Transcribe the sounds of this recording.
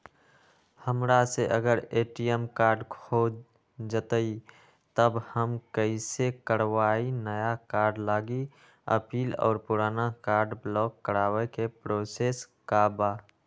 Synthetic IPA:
həmɾaseʔəɡəɾeːʈijəmkaːɾɖkʰo | d͡ʒət̪əi | t̪əbhəmkəisekəɾwaːinəjakaːɾɖlaːɡi | ə̰piːlɔ̰ːɾpuɾaːnakaːɾɖblɔːkːəɾaːwekepɾoseːs | kabaː

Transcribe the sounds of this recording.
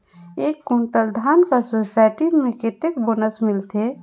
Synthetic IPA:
ekːuɳʈəld̪ʱaːnkasosaɪʈimẽket̪ek̚boːnəsmɪlt̪e

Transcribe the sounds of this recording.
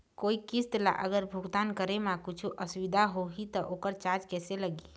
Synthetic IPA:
koikist̪la̰ʔəɡəɾbʱuɡt̪ankəɾemakut͡ʃʰuʔəsuʋid̪ʱaɦoɦit̪ɔʔokəɾt͡ʃad͡ʒkɛseləɡi

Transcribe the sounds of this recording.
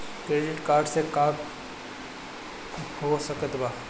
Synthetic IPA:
kɾeːɖɪʈkaːɾɖsekaːk | hosəkət̪baː

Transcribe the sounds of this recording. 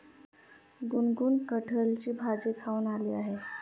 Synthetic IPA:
ɡunɡuːnkəʈʰəlt͡ɕiːbʱad͡ʑikʰaunaliːaɦe

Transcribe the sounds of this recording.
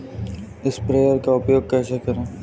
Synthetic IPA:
ɪspɾeːjəɾkaʊpjoːɡ̚kɛːsekɐɾẽː

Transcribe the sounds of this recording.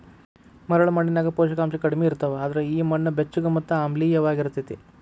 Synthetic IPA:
mɐɾɐɭɐmɐɳːinaːɡɐpoːʃɐkaːmʃɐkɐɽimeiɾt̪ɐʋeaːd̪ɐɾeiːmɐɳːɐbet͡ʃːuɡɐmɐt̪ːuaːmliːjɐʋaːɡiɾut̪ːit̪i

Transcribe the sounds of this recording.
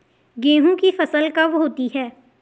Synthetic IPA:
ɡẽːɦũkifɐsəlkaʋɦoːt̪iɦɛː

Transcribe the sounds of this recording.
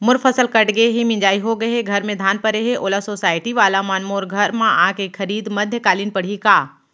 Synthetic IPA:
mʊɾfʰəsəlkɐʈɡeɦimɪ̃ɲd͡ʒaːiɦoɡɐɦeɡʱɐɾmẽd̪ʱaːnpɐɾeɦeʔoːlasoːsaːɪʈ̪iʋaːlamaːnmoːɾɡʱɐɾmãʔãːkekʰɐɾiːd̪mɐd̪ʱjəkaːliːnpɐɽ̤ikaː

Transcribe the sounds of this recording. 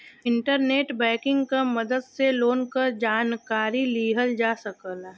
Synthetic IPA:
ɪ̃ɳʈəɾneːʈbɛ̃ːkɪ̃ŋɡkamɐd̪əd̪seloːnkəɾd͡ʒaːnkaːɾiliːɦəld͡ʒaːsɐkəl

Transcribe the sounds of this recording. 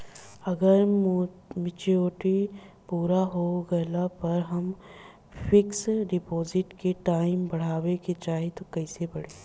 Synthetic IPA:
ɐɡəɾ | mɪt͡ʃioːʈi | puːɾaɦoɡɐlapɐɾɦɐm | fʰɪksɖɪpoːzɪʈkeʈaːɪmbɐɽ̤aːweket͡ʃaːɦet̪okɛːsebɐɽ̤eː

